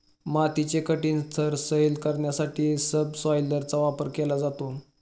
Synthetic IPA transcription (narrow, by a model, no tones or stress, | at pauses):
mat̪it͡ɕekəʈiːnst̪ʰəɾsəjlkəɾɳjasaʈiːsəbsɔjləɾt͡saʋapəɾkelad͡zat̪o